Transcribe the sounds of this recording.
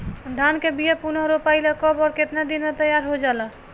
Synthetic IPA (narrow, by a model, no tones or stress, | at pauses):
d̪ʱankebijepunɔɾopajlɛkɔbɔːɾket̪nad̪inmet̪əjaɾɦod͡ʒalɔ